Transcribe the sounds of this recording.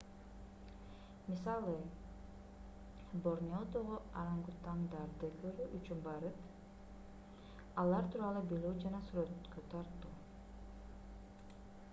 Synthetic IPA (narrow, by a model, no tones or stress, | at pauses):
misɑlˠɯ | boɾnʲiod̪oʁoɑɾɑŋɡut̪ɑnd̪ɑɾd̪ɯkʰøɾyʔyt͡ʃynbɑɾɯt̪ | ɑlˠɑɾt̪ʰuːɾɑlˠubilød͡ʒɑnɑsyɾøt̪køt̪ʰɑɾt̪uː